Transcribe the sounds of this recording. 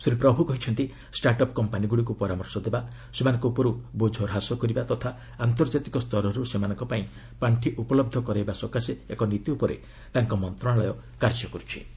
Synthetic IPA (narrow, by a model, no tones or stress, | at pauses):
suɾipɾɔbʱukɔɦit͡ʃʰɔnt̪i | sʈaɾʈɔpkɔmpaniɡuɽik̬upɔɾamɔɾsɔd̪eba | semanɔ̃ŋkɔupɔɾubod͡ʒʱɔɾɦasɔkɔɾibat̪ɔt̪ʰa | ant̪ɔɾd͡ʒat̪ikɔst̪ʰɔɾɔɾusemanɔ̃ŋkɔpaĩ | paɳʈʰiʔupɔlɔb̚d̪ʱɔkɔɾajbasɔkaseekɔnit̪iupɔɾḛ | t̪aŋkɔmɔnt̪ɾɔɽ̃aɭɔjɔ | kaɾd͡ʒɔkɔɾut͡ʃʰi̥̰